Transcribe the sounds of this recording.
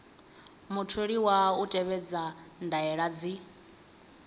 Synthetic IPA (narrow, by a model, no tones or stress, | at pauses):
mutʰuɺiwautʼɛβɛd͡zandaɛɺad͡zi